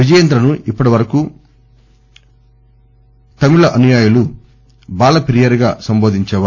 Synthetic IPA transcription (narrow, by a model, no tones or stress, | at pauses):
id͡ʒɐjɐnd̪ɾɐnuʔipːɐʈiʋɐɾɐku | t̪ɐmiɭɐʔɐnujaːjulu | baːlɐpeɾijɐɾɡa̰ːsɐmboːd̪ʱiɲt͡ʃɛːʋa